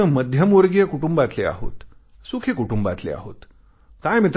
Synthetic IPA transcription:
əməd̪ʱjəmuɾɡjəkuʈumbat̪lea̰ɦo̰t̪ | sukʰekuʈumba̰t̪lḛa̰ɦo̰t̪ | kajmit̪

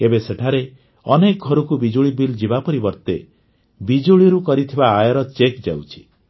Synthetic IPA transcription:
ebeseʈʰaɾe | ɔnek̚ɡʱɔɾɔkubid͡ʒuɭibild͡ʒibapɔɾibɔɾt̪e | bid͡ʒuɭiɾukɔɾit̪ʰibaːjɔɾɔt͡ʃekd͡ʒa̰wt͡ʃʰi̥

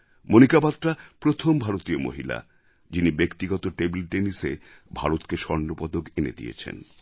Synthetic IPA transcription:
monikabat̪ːɾapɾot̪ʰombʱaɾot̪iomo̰ɦila̰ | d͡ʑinibekt̪iɡɔt̪oʈebilɖenise | bʱa̰ɾot̪keʃɔɾnopɔd̪okenḛd̪ḭḛt͡ɕʰḛn

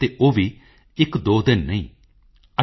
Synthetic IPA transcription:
t̪eːʔoːʋiː | ɪkd̪oːd̪ɪnːəĩː | ə

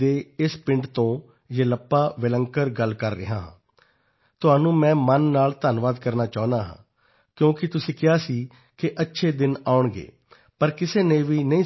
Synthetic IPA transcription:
eːɪspɪɳʈt̪õː | d͡ʒeːləpːaːʋɪləŋkəɾɡəlkəɾːɪ̰ɦãːɦã̰ː | t̪ʊɦaːnũːmɛ̃ːmənːaːlt̪aːnʋaːd̪kəɾnaːt͡ʃaːʊ̃nd̪aːɦã̰ː | kjõːkɪt̪ʊsĩːkɪaːsiː | kɪʔətːʃʰeːd̪ɪnaːʊɳɡḛː | pəɾkɪseːneːʋiːnəĩː

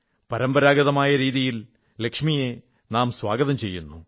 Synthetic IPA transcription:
pɐɾɐmbɐɾaːɡɐðɐmaːjɐɾiːðijil | lekʂmije̞ | naːmswaːɡɐðɐmt͡ɕe̞jːunːṵ

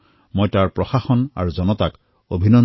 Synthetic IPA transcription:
mojtaɹpɹɔxaxɔna̰ɹuzɔnɔtak | obʱinɔ

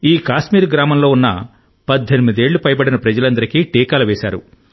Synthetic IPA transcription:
iːkaːʃmiːɾɡɾaːmɐmlo̞ːunːɐ | pɐd̪ʱːenimid̪e̞ːɭːupɐjbɐɽinɐpɾɐd͡ʒɐlɐnd̪ɐɾikiʈiːkaːlɐʋɛːʃa̰ːɾṵ

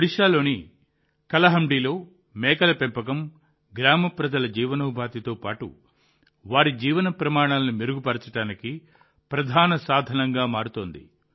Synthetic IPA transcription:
ɽiʂaːlo̞ːni | kɐlɐɦɐmɖiːlo̞ː | mɛːkɐlɐpempɐk̬ɐm | ɡɾaːmɐpɾɐd͡ʒɐlɐd͡ʒiːʋɐnɐbʱaːt̪it̪o̞ːpaːʈṵ | ʋaːɾid͡ʒiːʋɐnɐpɾɐmaːɽ̃aːlɐnimeɾuɡupɐɾɐt͡ʃɐʈaːniki | pɾɐd̪ʱaːnɐsaːd̪ʱɐnɐŋɡaːmaːɾut̪oːnd̪ḭ

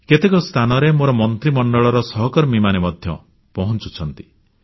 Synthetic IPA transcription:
ket̪ekɔst̪ʰanɔɾemoɾɔmɔnt̪ɾimɔɳɖɔɭɔɾɔsɔɦɔkɔɾɔmimanemɔd̪ʱjɔ̰ | pɔɦɔnt͡ʃu̥t͡ʃʰɔnt̪i̥

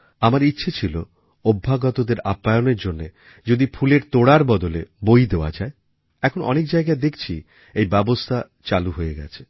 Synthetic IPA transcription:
amaɾitːɕʰet͡ɕʰilo | obʱːaɡɔt̪od̪eɾapːajoneɾd͡ʑonːe | d͡ʑod̪ifʰuleɾt̪oɽaɾbɔd̪olḛbojd̪eoa̰d͡ʑae | ɛkʰonʔɔ̰nek̚d͡ʑaeɡaed̪ekʰt͡ɕʰi | ejbɛbost̪ʰa | t͡ɕaluɦojeɡɛ̰t͡ɕʰe̥

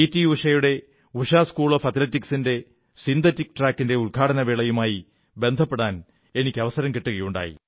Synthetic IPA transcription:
itːiuʂɐjuɽe̞ | uʂaːskuːɭofɐt̪lɐtːiksinde̞ | sind̪ɐtːikːʈraːkːinde̞ulɡʰʱaːʈɐnɐʋeːɭɐjumaːji | be̞nd̪ʱɐpːeɽaːn | e̞nikʲːɐʋɐsɐɾɐmkiʈːuɣɐjuɳɖa̰ːjḭ

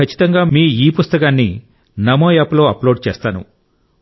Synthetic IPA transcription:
kɐt͡ʃːit̪ɐŋɡaːmiːiːpust̪ɐkaːnːi | nɐmoːjaːplo̞ːɐploːɖ̚t͡ʃɛːst̪aːnṵ

